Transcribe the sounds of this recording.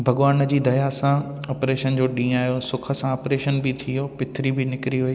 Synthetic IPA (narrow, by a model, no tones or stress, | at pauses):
bʱɐɠʋaːnə̆d͡ʑiːd̪ɐjasã | ɐpɾeːʃənd͡ʑoːɗĩːaːɦjosʊkʰə̆sãɐːpɾeːʃənbɪt̪ʰijoːpɪt̪ʰɾibɪnɪkɪɾiɦʊiː